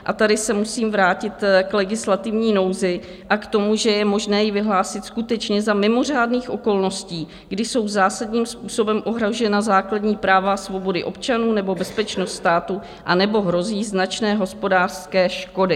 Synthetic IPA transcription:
ʔat̪adɪsɛmusiːmvɾaːcɪt̪klɛɡɪslat̪ɪvɲiːno̞wzɪ | ʔakt̪o̞muʒɛjɛmo̞ʒnɛːjɪvɪɦlaːsɪt̪skut̪ɛt͡ʃɲɛzamɪmo̞r̝aːdniːxʔo̞ko̞lno̞sciː | ɡdɪso̞wzaːsadɲiːmspuːso̞bɛmʔo̞ɦɾaʒɛnazaːkladɲiːpɾaːvasvo̞bo̞dɪʔo̞pt͡ʃanuːnɛbo̞bɛspɛt͡ʃno̞st̪st̪aːt̪u | ʔanɛbo̞ɦɾo̞ziːznat͡ʃnɛːɦo̞spo̞daːr̥skɛːʃko̞dɪ

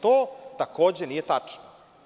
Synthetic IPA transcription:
t̪oːt̪ako̞ːd͡ʑenijet̪at͡ʂno

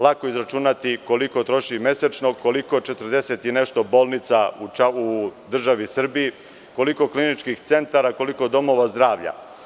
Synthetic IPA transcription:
lˠako̞izɾat͡ʃunat̪iko̞liko̞t̪ɾo̞ʃime̞sat͡ʃno̞ko̞liko̞t͡ʃe̞t̪r̩d̪eset̪jene̞ʃt̪o̞bo̞ːlˠnit̪saut͡ʃaud̪r̩ʒaʋisr̩bii | ko̞liko̞klinit͡ʃkixt̪se̞nt̪aɾako̞liko̞d̪o̞mo̞ʋazd̪ɾaːʋʎa̰

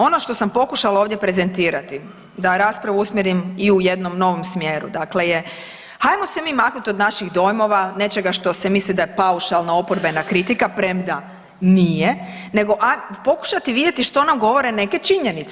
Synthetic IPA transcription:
o̞no̞ʃt̪o̞sampo̞kuʃalaoːʋd̪ʲje̞pɾe̞ze̞nt̪iːɾat̪i | d̪aɾaːspɾaʋuusmjeɾimiujed̪no̞mno̞ʋo̞msmjeːɾṵd̪akle̞je | hajmo̞semiːmaknut̪o̞d̪naʃiɣd̪o̞jmo̞ʋane̞t͡ʃeɡaʃt̪o̞semislid̪ajepauʃalˠnao̞poɾbe̞nakɾit̪ikapɾemd̪a | nije | ne̞ɡo̞ʔapo̞ku̥ʃat̪iʋid̪ʲjet̪iʃt̪o̞namɡo̞ʋo̞ɾe̞ne̞ke̞t͡ʃiɲenit̪s

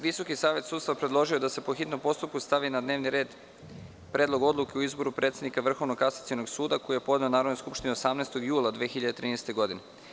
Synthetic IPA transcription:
ʋiso̞kisaːʋe̞t̪suːd̪st̪apɾed̪lˠo̞ʒiod̪ase̞po̞xit̪nompo̞st̪up̚kust̪aʋinad̪ne̞ːʋniɾe̞ːd̪ | pɾe̞ːd̪lo̞ɡo̞d̪lˠuke̞uizbo̞ɾupɾet̪se̞d̪nikaʋr̩xo̞ʋnokasat̪sionoɡsuːd̪ako̞jijepo̞d̪neonaːɾod̪nojskupʃt̪ineosamnest̪o̞ɡjuːlˠad̪ʋeːxiʎad̪et̪ɾiːnest̪e̞ɡo̞d̪ine

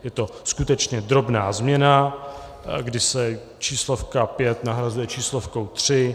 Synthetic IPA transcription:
jɛt̪o̞skut̪ɛt͡ʃɲɛd̪ɾo̞bnaːzmɲɛna | ɡdɪsɛ | t͡ʃiːslo̞fkapjɛt̪naɦɾazujɛt͡ʃiːslo̞fkowt̪r̝̥ɪ

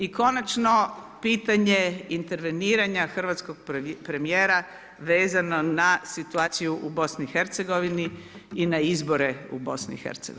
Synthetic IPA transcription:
iko̞nat͡ʃno̞ | piːt̪aɲe̞int̪e̞ɾʋe̞niːɾaɲaxr̩ʋat̪sko̞ɡ̚pɾe̞mijeːɾa | ʋe̞ːzano̞nasit̪uaːt̪sijuʔubo̞snixe̞ɾt̪se̞ɡo̞ʋini | inaizbo̞ɾe̞ṵbo̞snḭxḛɾt̪sḛɡo̰

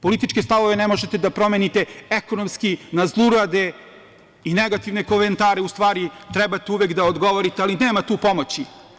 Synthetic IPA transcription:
po̞lit̪it͡ʃkest̪aʋo̞ʋenemo̞ʒet̪e̞d̪apɾo̞menit̪e̞ekonomskinazlˠuɾad̪e | ineɡat̪iʋnekoment̪aːɾeust̪ʋaːɾit̪ɾɛbat̪euʋekd̪aod̪ɡo̞ʋoɾit̪ealineːmat̪uːpo̞mot͡ɕi

